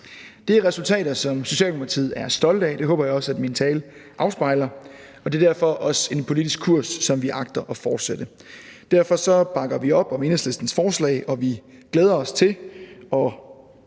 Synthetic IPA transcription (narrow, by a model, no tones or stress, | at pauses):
d̥e̝æʁɛsult͡sʰɛ̰ːɾɐsɒ̽mso̝ɕɛ̰ːl̥mupʰɑt͡sʰḭð̞̰ˠæɐsd̥ɒ̽ld̥ɛd̥e̝ɦɔ̽ːb̥ɐjɑ̈ɒ̽sæd̥mint͡sʰɛ̰ːlʔɑ̈ʊsb̥ɑ̈ɪ̰lɐ | ɒ̽d̥e̝ɐd̥æɐ̰fɒ̽ʔɒ̽se̝npʰo̝lidisɡ̥kʰuɐ̰sːɒ̽mʋiʔɑ̈ɡ̥̚d̥ɐʔɒ̽fɒːd̥sed̥əd̥æɐfɒ̽sɒ̽b̥ɑ̈ɡ̥ɐʋiɒ̽b̥ɒ̽me̝nsle̝sd̥n̩sfɒːslɛ̰ɪʔɒ̽ʋiɡ̥leːð̞ˠɐɒ̽st͡sʰe̝ɒ̽